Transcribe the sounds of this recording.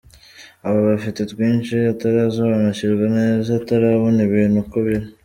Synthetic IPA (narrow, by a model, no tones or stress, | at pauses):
aβoβafitetwiːnʃiataɾaːzoβanaciɾɡanezataɾaβoniβiːnukoβiɾi